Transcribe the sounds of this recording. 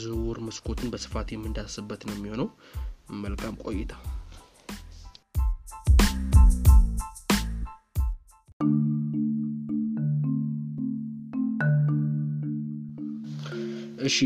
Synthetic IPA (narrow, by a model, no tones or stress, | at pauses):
zɨwɔɾməskʰo̞t̪ʰɨnbəsɨ̥fat̪jɛmːɨnd̪asɨbːət̪nəwmːiho̞nəw | məlkʰʼamkʼo̞̰jːɪt̪ʰə | ʔɨʃi